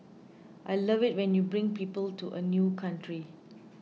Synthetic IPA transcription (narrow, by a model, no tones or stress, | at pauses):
ʔajlʌvɪt̚wɛ̃njubɹɪ̃ŋpiːpəltuʔənjukʰãntʰɹi